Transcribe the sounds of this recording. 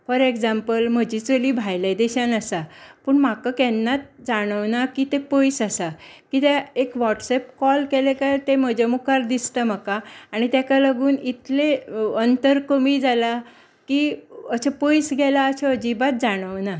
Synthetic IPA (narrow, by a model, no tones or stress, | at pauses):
fəɾekd͡zampəlm̤əd͡ʑit͡soliːbʱajlad̪ɛɕanəsapəɳmakəkɛnːat̪̚d͡zaɽ̃əʋnakit̪epəjsasakit̪eekʋɔʈsɛp̚kɔlkelekajt̪em̤əd͡ʑemukaɾd̪ist̪əm̤akaːɽ̃it̪jakaləɡuːnit̪leənt̪əɾkəmiːd͡zala | kiəɕapəjsɡɛlaəɕeəd͡ʑibat̪̚d͡zaɽ̃əʋna